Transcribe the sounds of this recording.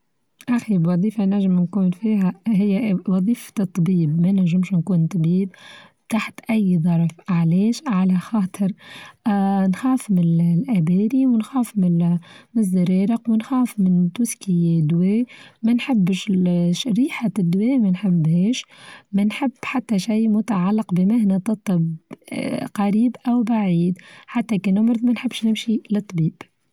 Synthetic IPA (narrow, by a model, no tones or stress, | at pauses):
ʔæxibwɑðˤiːfanaʕʒːɪmnkuːnfiːɦɛɦɪjːæwɑðˤiːft̪t̪ˤːbiːbmænaʕʒːɪmʃnkuːnt̪ˤbiːb | t̪aħt̪ʔæjːðˤɑɾˤfʕlɛːʃʕalæxɑːt̪ˤʰɨɾ | nxɑːfmɪlʔæbɛːɾiwɪnxɑːfmɪmɪzːaɾɑːɾɪqwɪnxɑːfmɪnt̪uːskɪjæd̪wɛːmænħɪbːɪʃʃɾiːħad̪ːwɛːmænħɪbːhɛːʃmænħɪbːħat̪ːæʃijmʊt̪aʕalːɪqbɪmɪhnɛt̪ˤɑt̪ˤːɑb | qɑɾiːbʔawbaʕiːd̪ħat̪ːækinʊmɾðmænħɪbːʃnɪmʃilɨt̪ˤːbiːb̥